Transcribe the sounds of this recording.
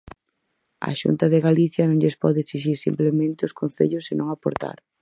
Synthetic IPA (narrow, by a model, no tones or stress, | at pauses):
ɐ̰ʃṵnt̪ɐðeɣaliθjɐnõŋʎespɔðeeksiʃ̬iɾsḭmplemẽnt̪ɪʊskonθḛʎʊsɪnõŋapoɾt̪a̰ɾ